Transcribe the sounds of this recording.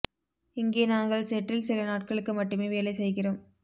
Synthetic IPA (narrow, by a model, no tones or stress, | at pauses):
ɪŋɡeːnaːŋɡɐɭsɛʈːɪlsɪlɐnaːʈ̚kɐɭɯkːɯmɐʈːɯmeːʋeːlɐɪsɛjɣɪroːm